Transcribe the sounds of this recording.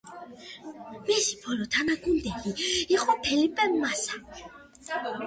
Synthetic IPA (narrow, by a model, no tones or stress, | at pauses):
mɛsi̥pʰɔlɔt̪ʰanaɡund̪ɛkiiχʼɔpʰɛlipʼɛmːasḁ